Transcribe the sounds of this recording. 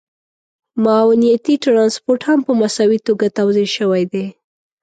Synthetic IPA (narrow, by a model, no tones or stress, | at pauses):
mɑwnijat̪iʈɾɑnspoɾʈhampəmasawit̪oɡat̪awzeʃəwajd̪e